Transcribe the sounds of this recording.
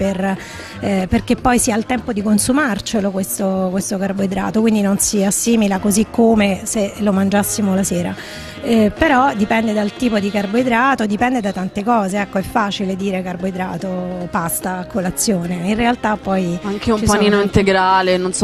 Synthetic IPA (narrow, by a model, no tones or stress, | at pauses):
per | perk̟epːɔjsialt̪ɛmpod̪ikonsumart͡ʃelokwest̪okwest̪okarboed̪ɾa̰ːt̪okwind̪inonsiasːiːmilakozikʰːomeselomand͡ʒasːimolasɛːɾa̰ | peɾɔd̪ipɛnd̪ed̪alt̪iːpod̪ikarboed̪ɾaːt̪od̪ipɛnd̪ed̪at̪ant̪ekɔːzeɛkːoɛfːaːt͡ʃiled̪iːɾekarboed̪ɾa̰ːt̪opast̪aːkːolat̪sːjoːneinrealt̪apːɔjaŋkeumpaniːnoint̪eɡɾaːlenons